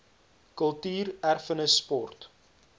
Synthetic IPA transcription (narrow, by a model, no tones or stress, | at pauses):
kəlˠtyːrærfənəsːpɔrt